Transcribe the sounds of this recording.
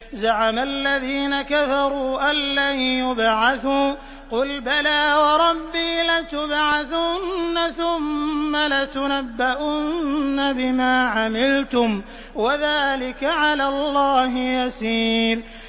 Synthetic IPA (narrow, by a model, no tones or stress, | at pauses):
zaʕamalːaðiːnakafɑɾˤuːʔalːajʊbʕaθuː | qʊlbalaːwɑɾˤɑbːiːlat̪ʊbʕaθʊnːaθʊmːalat̪ʊnabːaʔʊnnnnːabɪmaːʕamɪlt̪ʊm | waðaːlɪkaʕalaːlːɑːɦɪjasiːɾ